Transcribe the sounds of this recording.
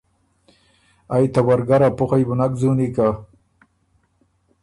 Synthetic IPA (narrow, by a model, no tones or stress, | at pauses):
ajt̪awaɾɡaɾapʊxajbʊnakzunika